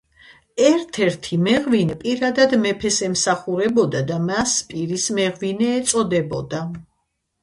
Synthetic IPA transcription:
ɛɾt̪ʰɛɾt̪ʰimɛʁvinɛpʼiɾad̪ad̪mɛpʰɛsɛmsaχuɾɛbɔd̪ad̪amaspʼiɾismɛʁvinɛːt̪sʼɔd̪ɛbɔd̪a

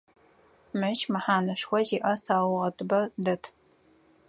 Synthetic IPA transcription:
mɨt͡ʃmɨħaːnɨʂxʷɔziːʔɐsaːwʁɐtʼɨbɐdɐtʰ

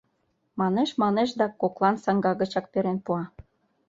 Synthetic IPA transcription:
mɑneʃmɑneʃd̪ɑkoklˠɑnsɑŋɡɑɣə̆t͡ɕɑk̚peɾenpuɑ

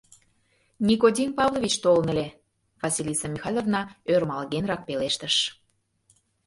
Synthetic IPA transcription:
nʲikod̪ʲinpɑvlˠovʲit͡ɕt̪olənə̆lʲe | v̥ɑsʲilʲisɑmʲixɑlʲovnɑørmɑlɣenɾɑk̚peleʃt̪əʃ

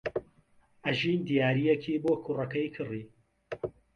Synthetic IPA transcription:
ʔɐʒiːnd̪ijaːɾijekʰiːboːkʰurɐkɐjkʰɨriː

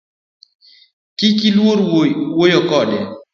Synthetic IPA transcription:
kikilwoɾwojɔkɔdɛ

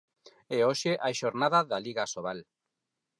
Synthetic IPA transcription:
eoʃeʔajʃoɾnaðaðaliɣasoβal

